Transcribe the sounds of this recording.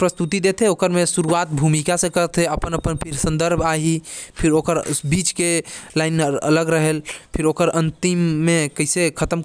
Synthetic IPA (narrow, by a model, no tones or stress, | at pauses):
pɾəst̪ut̪id̪et̪ʰeokəɾmesuɾuat̪̚bʱumikasẽkət̪ʰeəpənəpənpʰiɾsə̃nd̪əɾbʱaɦipʰiɾokəɾbit͡ʃkelajnmə̰ləɡɾəɦelpʰiɾokəɾənt̪imːekəɦsekʰət̪əm